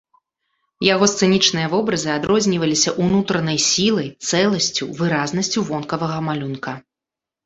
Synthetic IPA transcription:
jaɣɔst̪sɨnʲit͡ʂnɨjɐvɔbɾɐzɨad̪ɾɔzʲnʲivɐlʲisʲɐʔunut̪ɾɐnɐjsʲilˠɐjt̪sɛlˠɐsʲt͡sʲuvɨɾaznɐsʲt͡sʲuvɔnkɐvɐɣɐmalʲunkɐ

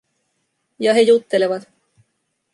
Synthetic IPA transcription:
jɑɦe̞jut̪ːe̞leʋɑt̪

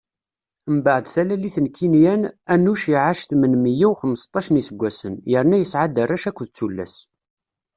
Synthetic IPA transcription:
mbaʕəd̪θælæliθənkʰːinjænænːuʃiʕaʃθmənmijæwχəmːəst̪ˤːɑʃənisəɡʷːæsənjəɾnæjəsʕad̪ərˤːæʃækʷːðt͡sːulːæ̰s

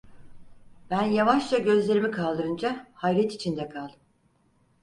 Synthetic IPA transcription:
b̥ænjavaʃlˠaɟø̞zlʲe̞ɾimikʰalˠd̪ɯɾɯnd͡ʒahajɾɛt̪it͡ʃʰind̪ɛkʰalˠd̪ɯm

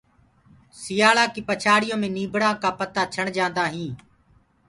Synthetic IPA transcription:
sɪjaːɭaːkiːpət͡ʃʰaːɽɪjõːmẽːniːbɽãːkaːpət̪aːt͡ʃʰəɳd͡ʒãːnd̪aːɦĩː

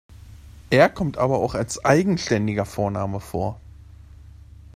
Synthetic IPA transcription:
ʔeːɐkʰɔmtʔaːbɐaʊxalsʔaɪɡŋ̩ʃtɛndɪɡɐfoːɐnaːməfo̰ːɐ

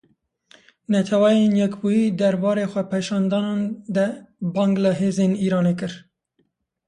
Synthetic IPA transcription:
nɛt̪ʰɛwɛjenjɛkbujiːd̪ɛɾbɑːɾeːxʷɛpʰeʃɑːnd̪ɑːnɑːnd̪ɛbɑːŋɡləɦeːzeːniːɾɑːneːkɨɾ

